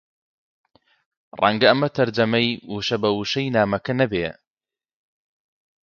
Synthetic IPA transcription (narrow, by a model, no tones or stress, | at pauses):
rʔɐ̰ŋɡɐɐmɐt̪ʰɐɾd͡ʒɐmɐjwuʃɐbɐwuʃɐjnaːmɐkɐnɐbe